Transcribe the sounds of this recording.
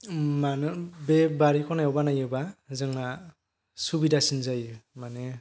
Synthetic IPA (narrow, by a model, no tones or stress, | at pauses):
manɯbɛbaɾikʰɔnajɔbanajɯbazɯŋla | subidasinzajmanɛ